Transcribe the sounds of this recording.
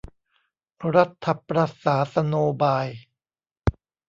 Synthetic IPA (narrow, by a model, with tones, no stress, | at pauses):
ɾa˦˥t̪ʰːa˧pɾa˧saː˩˦sa˧noː˧baː˧j